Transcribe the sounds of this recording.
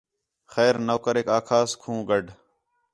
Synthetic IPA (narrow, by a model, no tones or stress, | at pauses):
xɛːɾnoːkəɾeːkaːkʰaːskʰũːɡəɖ